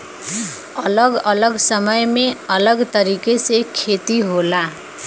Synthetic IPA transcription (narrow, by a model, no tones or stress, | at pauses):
ʌlʌɡʌlʌɡsʌmʌjmeʌlʌɡt̪ʌɾikesekʰet̪iɦola